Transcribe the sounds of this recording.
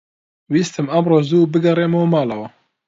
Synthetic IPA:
wiːst̪ɨmɐmroːzubɨɡɐreːmɐwmɑːlɐwɐ

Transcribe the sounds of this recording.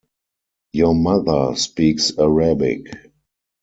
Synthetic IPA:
jomaðə˞spiːksaɹabɪ̰k

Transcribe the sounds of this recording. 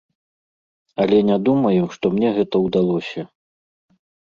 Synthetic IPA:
ɐlʲɛnʲad̪umɐjɛmʂt̪ɔmnʲɛɣɛt̪ɐwd̪alˠɔsʲɐ

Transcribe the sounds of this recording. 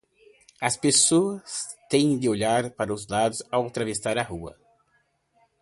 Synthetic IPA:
ɐspesoɐst̪ẽj̃d̪ɪoʎaɾpaɾɐʊzlad̪ʊzawt̪ɾavesaɾɐhuɐ̰

